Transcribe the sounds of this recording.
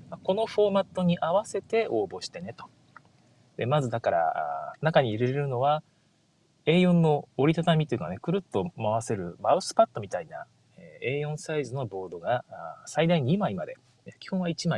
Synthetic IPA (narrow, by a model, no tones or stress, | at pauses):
mako̞no̞ɸo̞ːmat̪ːo̞ɲ̟iʔaβase̞t̪e̞o̞ːbo̞ɕi̥t̪e̞ne̞t̪o̥ | d̪e̞mazɨd̪akaɾa̰a̰nakaɲ̟iiɾeɾeɾɯ̟no̞β̞a | e̞ːjõ̞nːo̞ːɾʲit̪at̪amʲit̪oiɯ̟ka̰nekɯ̟ɾɯ̟t̪ːomaβ̞ase̞ɾɯ̟maɯ̟sɨ̥pat̪ːo̞mʲit̪aina̰ | ee̞ːjõ̞ɰ̃saizɨno̞bo̞ːd̪o̞ɡasaid̪aiɲ̟imaimad̪e̞ | kʲi̥hõait͡ɕimai